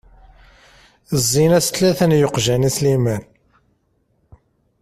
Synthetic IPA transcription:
əzːinæst̪læθənjoqʒænislimæn

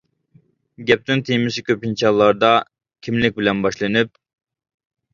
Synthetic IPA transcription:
ɡʲɛp̚t̪ɪnt̪ʰijmɪsikʲøpint͡ʃʰɑlˠːɑɾd̪ɑ | kʲʰimlɪk̚ʲbɪlɛnbɑʃlˠɨnɨp̚

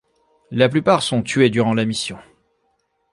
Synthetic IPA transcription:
laplypaʁsɔ̃t̪ɥed̪yʁɑ̃lamisjɔ̃

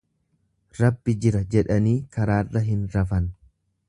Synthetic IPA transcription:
ɾɐbːɪd͡ʒɪɾɐd͡ʒɛᶑɐniːkɐɾaːrːɐɦɪnɾɐfɐn

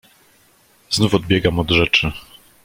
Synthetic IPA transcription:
znufɔd̪̚bʲjɛɡamɔd̪ʐɛt͡ʂɘ

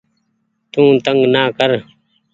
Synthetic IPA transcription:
t̪ũːt̪əŋɡnaːkəɾ

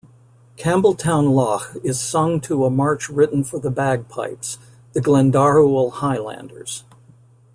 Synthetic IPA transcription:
kʰæ̃mbl̩ˠtʰãʊ̃nlɑxɪz̥sʌ̃ŋtʰəəmɑɹt͡ʃɹɪʔn̩fə˞ðəbæɡ̚pʰa̰ɪps | ðɨɡlæ̃ndɑɹul̩ˠhaɪlæ̰̃ndə̰˞z̥

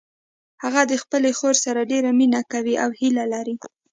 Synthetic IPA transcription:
haɣad̪əxpəlexoɾsaɾaɖeɾaminakawiʔawhilalaɾi

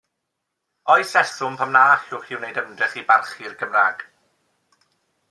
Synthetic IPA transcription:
ɔɨsɛθʊmpʰamnaːχjʊːχiwnejdəmndrɪχibarχirɡ̥əmraːɡ̥

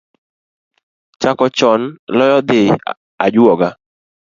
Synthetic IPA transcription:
t͡ʃakɔt͡ʃɔnlɔjɔd̪ɪ | ad͡ʒʊɔɡa

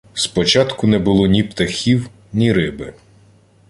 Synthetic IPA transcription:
spɔt͡ʃɑt̪kʊnɛbʊlˠɔnʲipt̪ɐxʲiw | nʲiɾɪbɪ

